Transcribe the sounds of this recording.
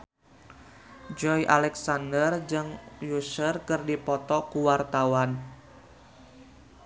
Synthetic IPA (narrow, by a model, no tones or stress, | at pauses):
d͡ʒɔjʔalɛksandərd͡ʒɨŋjusərkɨrdipɔt̪ɔkuwart̪awan